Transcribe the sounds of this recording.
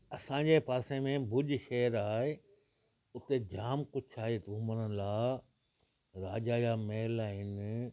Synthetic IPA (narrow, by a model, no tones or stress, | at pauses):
ɐsãːɲd͡ʑepaːsẽmẽbʊʄʃɛːəɾaːɦe | ʊt̪ed͡ʑaːmkʊt͡ʃʰaːɦet̪uːmənəlaː | ɾaːd͡ʑaːjameːlaːɦɪn